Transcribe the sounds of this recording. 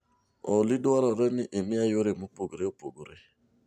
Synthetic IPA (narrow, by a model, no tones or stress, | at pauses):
ɔliduaɾaɾɛnɪʔemiajoɾemupoɡoɾeopoɡoɾe